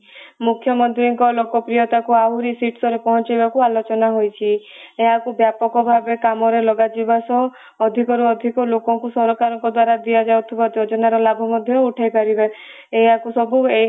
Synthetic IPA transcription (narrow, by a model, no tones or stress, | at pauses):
mukʰjɔmɔnt̪ɾiŋkɔlokɔpɾijɔt̪akuaɦuɾisiʈsɔɾepɔɦɔ̃nt͡ʃajbakualot͡ʃɔnaɦojt͡ʃʰi | eɦakubjapɔkɔbʱabekamɔɾelɔɡad͡ʒibasɔ̃ | ɔd̪ʱikɔɾuɔd̪ʱikɔlokɔŋkusɔɾɔkaɾɔŋkɔd̪waɾad̪ijad͡ʒawt̪ʰibad͡ʒod͡ʒɔnaɾɔlabʱɔmɔd̪ʱjɔuʈʰajkaɾiba | eakusɔbue